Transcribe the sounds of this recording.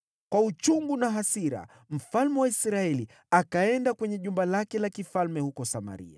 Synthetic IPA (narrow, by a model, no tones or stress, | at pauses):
kwaut͡ʃumɡunaɦasiɾa̰ | m̩falmɛwaisɾaɛli | akaɛndakwɛɲɛʄumbalakɛlakifalmɛhukɔsama̰ɾḭa̰